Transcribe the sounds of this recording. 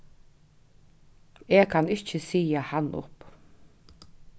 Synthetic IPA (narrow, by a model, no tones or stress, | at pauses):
eːkʰanɪt͡ʃːɪsiːjahanːʔʊ̰p